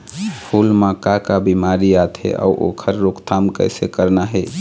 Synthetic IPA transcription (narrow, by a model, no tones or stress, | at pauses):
pʰulmãkakabimaɾijat̪ʰḛʔa̰uʔo̰kʰəɾːokt̪ʰamkə̰ɪsekəɾnaɦe